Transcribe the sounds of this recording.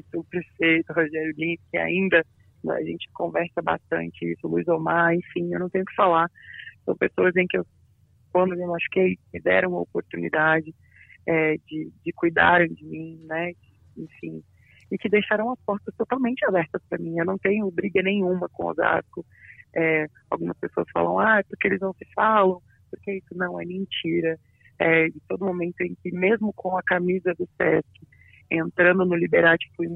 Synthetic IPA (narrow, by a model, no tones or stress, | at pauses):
sʊpɾefejt̪ʊɦoʒɛɾjʊɡĩpkɪa̰ĩnd̪ɐ̰̃ | ɐ̰ʒẽnt͡ʃɪ̥kõvɛɾsɐba̰st̪ɐ̰̃nt͡ʃɪḭsʊluizomaẽfĩewnɐ̃t̪ẽɲjʊkɪ̥falaɾsɐ̃w̃pesoɐzẽj̃kɪew | kwɐ̃nd̪ʊewaʃkejmɪd̪ɛ̰ɾɐ̃w̃mɐopoɾt̪unḭd̪ad͡ʒɪ | ɛd͡ʒɪd͡ʒɪkujd̪a̰ɾẽj̃d͡ʒɪmĩnɛd͡ʒɪ | ẽfĩ | ɪkɪd̪ejʃaɾɐ̃w̃ɐspɔɾt̪ɐst̪ot̪awmẽnt͡ʃɪabɛɾt̪ɐspɾɐmĩewnɐ̃w̃t̪ẽɲʊbɾiɡɐnẽj̃ũmɐkõo̰za̰skʊ | ɛ | a̰wɡũmɐspesoɐsfa̰lɐ̰̃w̃ajpʊɾkeelɪznɐ̃w̃sɪfalɐ̃w̃ | pʊɾkeisʊnɐ̃w̃ɛ̰mẽnt͡ʃiɾɐ | ɛd͡ʒɪt̪od̪ʊmomẽnt̪ʊẽkɪmezmʊkʰõw̃ɐkamizɐd̪ʊsɛ̰skɪ | ẽnt̪ɾɐ̃nd̪ʊnʊlibeɾat͡ʃɪ̥fuj